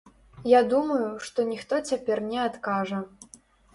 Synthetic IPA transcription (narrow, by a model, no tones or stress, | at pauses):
jad̪umɐjuʂt̪ɔnʲixt̪ɔt͡sʲapʲɛrnʲɛat̪kaʐɐ